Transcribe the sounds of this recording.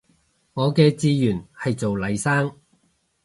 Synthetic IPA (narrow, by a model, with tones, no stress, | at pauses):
ŋɔː˨˧kɛː˧t͡siː˧jyː˨˩nhɐ˨jt͡so˨wlɐ˨˧jsaː˥ŋ